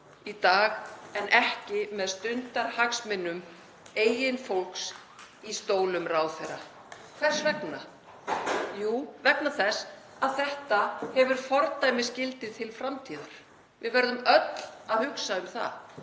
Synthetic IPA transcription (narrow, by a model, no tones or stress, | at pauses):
it̪aːɣɛnʔɛhcɪmɛðst̪ʏnt̪aɾ̥haksmɪnːʏm | eːjɪnfowlks | ist̪oːwlʏmraːwθɛɾa | kʰv̥ɛr̥svɛkna | juːvɛk̚naθɛs | aðθɛht̪ahɛvʏɾ̥fɔɾt̪ajmɪscɪlt̪ɪðt̪ʰɪlfɾamt̪ʰiːðaɾ̥ | vɪðvɛɾðʏmœt̪l̥aðhʏksaʏmθa̰ð